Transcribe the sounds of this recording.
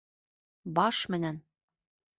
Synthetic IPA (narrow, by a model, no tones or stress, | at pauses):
bɑʃmɘ̆næn